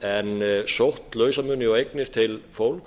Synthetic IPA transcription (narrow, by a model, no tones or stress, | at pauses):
ɛnsowht̪lœːɥsamʏnɪawejknɪɾ̥t̪ʰɪlfowlk